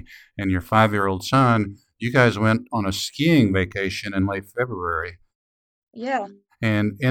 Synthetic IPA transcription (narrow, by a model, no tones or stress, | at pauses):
ɨ̃njə˞faɪvjɪɹoʊlˠd̥sʌ̃n | jɨɡaɪzwɛ̃ntn̩ɨskiɪ̃ŋveɪkʰeɪʃɨ̃nɨ̃nleɪtfɛbɹuɛɹi | jæ | ɨ̃nɨ̃